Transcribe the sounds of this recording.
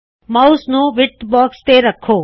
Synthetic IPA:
mɐwsnuʋiʈbaːkst̪eːɾɐkʰːoː

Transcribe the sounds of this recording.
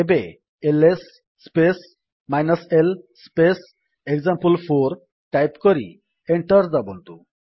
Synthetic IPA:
ebe | elesː | pes | majnɔselspes | ekzampulpʰoɾ | ʈajpkɔɾḭ | eɳʈɔɾd͡zabɔnt̪ṵ

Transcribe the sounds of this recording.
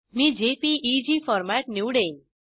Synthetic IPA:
mid͡ʒepiʔid͡ʒifɔɾmæʈnjuːɽen

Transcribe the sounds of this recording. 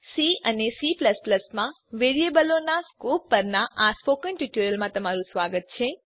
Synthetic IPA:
siənesipləspləsmã | ʋeɾiebəlonaskopːəɾnaʔaspokənʈiʈuɾjəlmãt̪əmaɾusʋaɡət̪̚t͡ʃʰẽ

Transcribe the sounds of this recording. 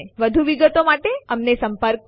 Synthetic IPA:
ʋəd̪ʱuʋiɡət̪omaʈeəmnesəmpəɾk

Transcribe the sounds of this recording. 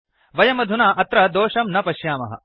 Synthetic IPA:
ʋɐjɐmɐd̪ʱunaːʔɐt̪ɾɐd̪oːʂɐmnɐpɐʃjaːmɐ̰ɦɐ̰

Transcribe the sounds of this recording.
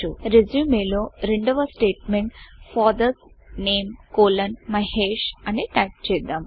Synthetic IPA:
uɾezumeːloːɾeɳɖɐʋɐsʈeːʈmeɳʈfɔːd̪ɐs | neːmkoːlɐnmɐɦeːʃɐniʈɐjp̚t͡ʃeːjd̪aːm

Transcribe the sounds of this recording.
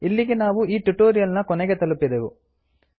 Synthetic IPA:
ilːiɡenaːʋuiːʈuʈoːɾijɐlnɐkɔnɛɡe̞t̪ɐlupːid̪eʋu

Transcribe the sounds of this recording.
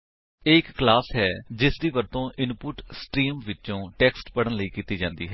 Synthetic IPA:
eːɪkːlaːsɦɛːd͡ʒɪsd̪iːʋəɾt̪õːʔɪnpʊʈsʈɾiːmʋɪt͡ʃõːʈɛːksʈpəɽənləiːkiːt̪iːd͡ʒãːnd̪ḭːɦɛː

